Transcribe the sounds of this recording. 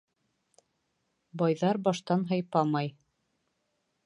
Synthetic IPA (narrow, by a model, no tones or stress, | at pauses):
bɑjðɑɾbɑʃt̪ɑnɦɤ̆jpɑmɑj